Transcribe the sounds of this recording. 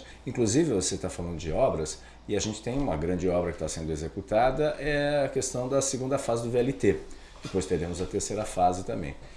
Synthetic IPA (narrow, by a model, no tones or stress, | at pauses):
ĩŋkluzivɪvoset̪afalɐ̃nd̪ʊd͡ʒɪɔbɾɐs | ɪaʒẽnt͡ʃɪ̥t̪ẽj̃ũmɐɡɾɐ̃nd͡ʒɪɔbɾɐkɪ̥t̪asẽnd̪ʊezekut̪ad̪ɐʔɛɐkest̪ɐ̃w̃d̪ɐseɡũnd̪ɐfazɪd̪ʊbeɛlɪt̪e | d̪̥ɪpojst̪eɾẽmʊzɐt̪eɾsejɾɐfazɪt̪ɐ̃mbḛ̃j̃